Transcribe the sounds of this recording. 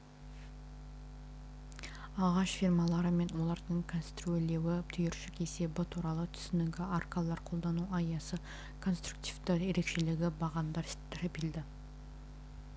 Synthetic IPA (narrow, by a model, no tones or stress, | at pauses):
ɑʁɑʃfirmɑlˠɑɾəme̞nwo̞lˠɑɾd̪əɴkʰonst̪ɾuele̞wɪt̪ʰʏjʏɾʃɪke̞se̞bɪt̪ʰuɾɑlˠət̪ʰʏ̥sɪnɪɡʲɪʔarkɑlˠɑɾqʰo̞lˠd̪ɑnuɑjɑsə | kʰo̞nst̪ɾuk̚t̪ivt̪əje̞ɾe̞kʃe̞lɪɡʲɪbɑʁɑnd̪ɑɾɾʰepeld̪ɪ